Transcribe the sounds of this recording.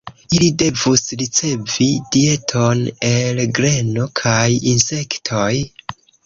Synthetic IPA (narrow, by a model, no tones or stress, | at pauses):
ilide̞vusɾit͡se̞vidie̞tʰo̞ne̞lɡɾe̞no̞kʰajinse̞ktʰo̞j